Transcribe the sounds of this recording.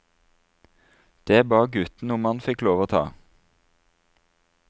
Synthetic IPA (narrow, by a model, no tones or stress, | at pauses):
d̪̥eːbɑːɡʉt̪n̩ʊmɑnfɪkloːʋoːt̪ʰɑ̰ː